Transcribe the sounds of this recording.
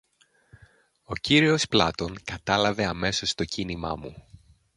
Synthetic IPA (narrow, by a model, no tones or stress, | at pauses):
o̞ciɾio̞splɐt̪o̞ŋkɐt̪ɐlɐve̞ɐme̞so̞st̪o̞cinimɐ̰mu